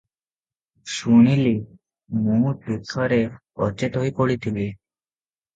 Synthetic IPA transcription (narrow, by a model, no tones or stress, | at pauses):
ʃuɽ̃ili | mũʈukʰːɔɾe | ɔt͡ʃet̪ɦoipoɽit̪ʰibi